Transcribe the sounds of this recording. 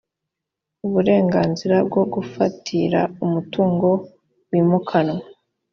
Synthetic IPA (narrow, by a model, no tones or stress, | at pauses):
uβuɾe̞ːŋɡaːnziɾab̚ɡo̞ɡufatʰiɾa̰umutuːŋɡo̞ | wiːmukʰano